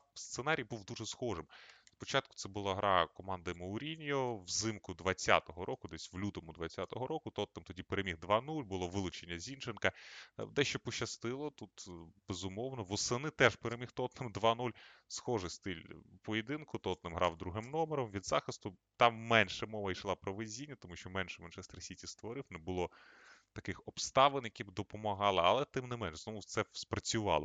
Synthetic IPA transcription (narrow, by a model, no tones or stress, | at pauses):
st̪senɑɾʲijbuwd̪uʐɛsxɔʐɪmspɔt͡ʃɑt̪̚kʊ̥t̪sɛbʊlˠɑɦɾʔɑkɔmɑnd̪ɐmɐʊɾʲinʲijɔwzɪmkʊd̪ʋɐt͡sʲːa̰t̪ɔɦɔɾɔkʊd̪ɛsʲwlʲut̪ɔmʊd̪ʋɐt͡sʲːat̪ɔɦɔɾɔkʊt̪ɔt̪nɪmt̪ɔdʲipeɾemʲiɦd̪ʋɑnulʲbʊlˠɔʋɪlˠʊt͡ʃenʲːɐzʲint͡ʃenkɐ̰d̪ɛʃt͡ʃɔpɔʃɐst̪ɪlˠɔt̪ut̪b̥ezʊmɔwnɔʋɔsenɪt̪ɛʒpeɾemʲixt̪ɔt̪nɪmd̪ʋɑnulʲsxɔʒɪst̪ɪlʲpɔjed̪ɪnkʊt̪ɔt̪nɪmɦɾʔɑwd̪ɾuɦɪmnɔmeɾɔmʋʲid̪zɑxɪst̪ʊ | t̪ɑmːɛnʃɛmɔʋɐjʃlˠɑpɾɔʋɪzʲinʲːɐt̪ɔmuʃt͡ʃɔmɛnʃɛmɛnʃɛst̪ɾɐsʲitʲist̪ʋɔɾɪwnɛbʊlˠɔ | t̪ɐkɪxɔpst̪ɑʋɪnjɐkʲibd̪ɔpɔmɐɦɑlˠɪɐlˠɛt̪ɪmnɪmɛnʃzɔmʊt̪sɛspɾɐt͡sʲʊʋɑ̰lˠɔ̰